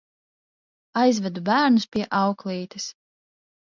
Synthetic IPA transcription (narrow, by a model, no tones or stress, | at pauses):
ajzvɛd̪ubæːɾnuspʲiɛʔɑwklˠiːt̪is